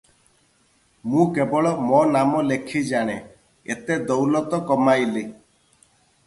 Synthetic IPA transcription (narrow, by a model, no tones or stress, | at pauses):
mũkebɔɭɔmɔnamɔlekʰid͡ʒaɽ̃e | ḛt̪ed̪ɔwlɔt̪ɔkɔmajli